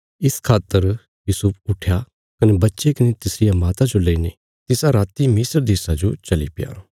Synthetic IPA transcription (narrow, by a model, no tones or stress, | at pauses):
ɪskʰaːt̪ːəɾ | jusʊp̚ʰʊʈʰja | kɐnebɐtːʃekɐnet̪ɪsɾɪjamaːt̪ad͡ʒolɐine | t̪ɪsaɾaːt̪imɪsəɾd̪eːsad͡ʒot͡ʃɐlipɪja̰